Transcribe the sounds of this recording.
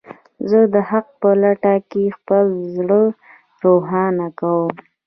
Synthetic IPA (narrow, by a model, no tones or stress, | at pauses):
zəd̪əhaq̚pəlaʈakexpəlzɽə | ɾoɦɑnakawəm